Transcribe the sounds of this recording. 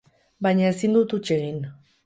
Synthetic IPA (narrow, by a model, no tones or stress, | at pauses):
bajɲaesind̪ut̪ut͡ʃeɣin